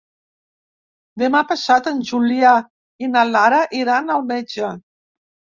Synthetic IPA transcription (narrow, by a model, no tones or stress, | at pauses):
d̪emapasat̪ənʲʒulia | inalaɾaʔiɾanalmed͡ʒə